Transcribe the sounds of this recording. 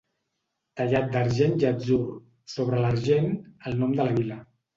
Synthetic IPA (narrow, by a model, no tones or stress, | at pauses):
t̪əʎat̪̚d̪əɾʒend͡ʒəd͡zur | soβ̞ɾələɾʒenəlˠnɔmd̪ələβilə